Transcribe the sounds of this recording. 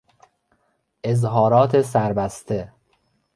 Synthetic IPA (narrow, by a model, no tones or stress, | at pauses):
ʔezɦɒːɾɒːt̪ʰes̬æɾbæst̪ʰe